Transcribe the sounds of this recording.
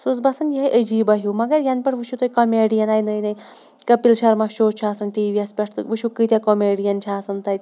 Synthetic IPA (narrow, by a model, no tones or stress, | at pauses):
sus̬bɐsɐnjiɦɐjʔəd͡ʒiːbɐɦjumɐɡɐɾjɐnpɐʈʋɨʃut̪ojkɐmeːɖijɐnaːjnɐjnɐj | kɐpilʃɐɾmaʃoːt͡ʃʰaːsɐnʈiːʋiɐspʲeʈʰt̪ɨʋɨʃukɨt̪ʲakomeːɖijɐnt͡ʃʰaːsɐnt̪ɐjʲ